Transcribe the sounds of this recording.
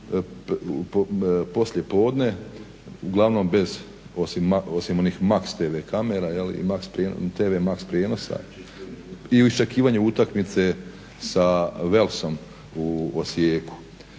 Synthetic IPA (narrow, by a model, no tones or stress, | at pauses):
ppo̞sʎje̞po̞ːd̪ne̞ | uɡlˠaʋno̞mbe̞z | o̞simao̞simo̞niːxmakst̪eːʋekame̞ɾajelḭḭmakspɾeːnt̪eːʋemakspɾjeːno̞sa̰ | iuist͡ʃekiːʋaːɲeut̪akmit̪se̞ | saʋe̞lso̞m | uosjeːku̥